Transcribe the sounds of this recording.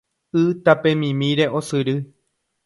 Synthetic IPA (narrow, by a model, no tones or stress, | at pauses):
ɨt̪apẽ̞mĩmĩɾe̞ʔo̞sɨɾɨ